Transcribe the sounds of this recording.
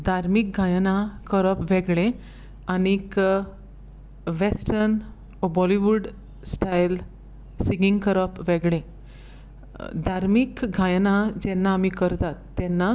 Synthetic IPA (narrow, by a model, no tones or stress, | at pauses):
d̪ʱaɾmik̚ɡʱajnakəɾəpʋɛɡɭẽ | añik | ʋesʈəɾn | bɔliʋuɖ | sʈajl | siŋiŋɡkəɾəpʋɛɡɭẽ | d̪ʱaɾmikɡʱajnad͡ʑɛnːaːmikəɾt̪at̪ːɛnːa